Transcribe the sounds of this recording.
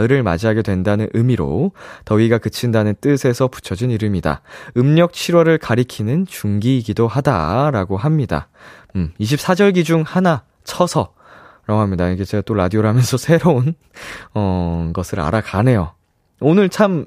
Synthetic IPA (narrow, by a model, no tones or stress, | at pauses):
ɯɾɯɭma̰d͡ʑiɦaɡe̞dwe̞ndanɯnʔɯmiɾo̰tʌiɡakɯt͡ɕʰindanɯnt͈ɯsʰe̞sʰʌpu̥t͡ɕʰʌd͡ʑiniɾɯmida̰ɯmɲʌk̚t͡ɕʰiɾwʌɾɯɭkaɾikʰinɯnt͡ɕuŋɡiːɡidoɦada̰ɾaɡoɦamɲida̰ | miɕ̬ʰip̚s͈ʰad͡ʑʌɭɡid͡ʑuŋhana | t͡ɕʰʌsʰʌ | ɾaɡoɦamɲidaiɡet͡ɕeɡat͈oɾadioɾɦamjʌnsʰʌsʰe̞ɾoun | ʌnɡʌsʰɯɾa̰ɾakane̞jo | onɯɭt͡ɕʰam